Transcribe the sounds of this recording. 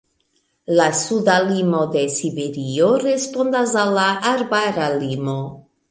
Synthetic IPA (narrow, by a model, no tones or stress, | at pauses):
lasud̪alimo̞d̪e̞sibe̞ɾioɾe̞spond̪azalːaʔaɾbaɾalimo̞